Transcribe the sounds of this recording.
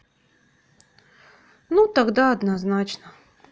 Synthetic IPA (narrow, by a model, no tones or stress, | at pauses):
nut̪aɡd̪aɐd̪naznat͡ɕnə